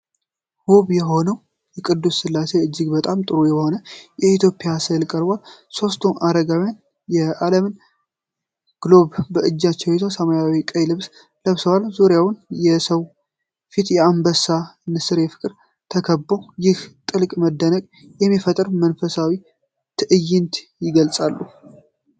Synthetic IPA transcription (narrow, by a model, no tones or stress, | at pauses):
huβjɛho̞nəw | jɛkʼɨd̪ːusːɨlːase̞ɨd͡ʒːɪɡbət̪ʼamt̪ʼɨɾujɛho̞nəjɛit̪ʰjo̞pʼɪjasəlkʼəɾbʷalso̞st̪ʰuʔaɾəɡawjan | jɛʔaləmɨn | ɡ̥lo̞βːəɨd͡ʒːat͡ʃːɛwɛt̪ʰəwsəmajawikʼəjlɨβs | ləβsəwalzuɾjawnjɛsəw | fit̪jɛambəsanɨsɨɾjɛfɨ̥kʼɾ | t̪ʰəkʰəbːojɪht̪ʼɨlkʼməd̪ːənəkʼ | jɛmːifət̪ʼɨɾmənfəsawi | t̪ʰɨʔɨjːɪnt̪ʰjɪɡəlsʼalːu